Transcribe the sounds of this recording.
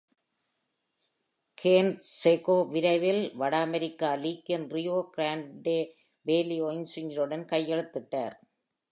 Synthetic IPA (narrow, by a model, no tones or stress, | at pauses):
kʰeːnsekoːʋɪɾɐɪʋɪlʋɐɽaːmɛɾɪkːaːliːkːɐnrɪjoːɡɾaːɳɖe | ʋeːlɪjoːɪŋsʊɲɪɾɯɽɐnkɐjːɛɻɯt̪ːɯʈːa̰ːɾ